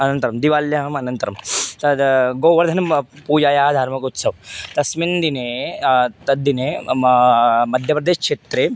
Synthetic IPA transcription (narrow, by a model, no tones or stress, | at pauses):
ɐnɐnt̪ɐɾɐmd̪iʋaːljɐɦɐmɐnɐnt̪ɐɾɐmt̪ɐd̪ɡoːʋɐɾd̪ʱɐnɐmpuːd͡ʒaːjaːɦɐd̪ʱaːɾmɐkut̪sɐʋt̪ɐsmind̪ineːt̪ɐd̪ːineː | mɐd̪ʱjɐpɾɐd̪eːʃkʂeːt̪ɾeː